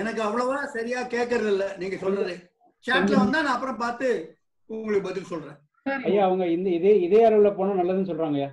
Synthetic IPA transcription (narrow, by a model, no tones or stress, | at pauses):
ɛnɐk̬ːɯɐʋːɐɭɐʋɯlãːsɐɾɪjaːkeːʈ̚k̬ːɐɾɐðɪlːɐniːŋɡɐsɔnːɐðɯ | t͡ʃaːnlɐʋɐnd̪aːnãːɐp̬ːɯɾɔ̃mpaːɾt̪ɯ | ʊŋɡɐɭɯkːɯbɐt̪ːɪlsɔlɾẽː | sɐɾɐjːaːɐʋɐŋɡɐɪnd̪ɐɪðeːɪðeːɐɾɐʋɪlɐpoːnɐ̃ːnɐlːɐðɯnːɯs̬ɔlɾaːŋɡɐjaː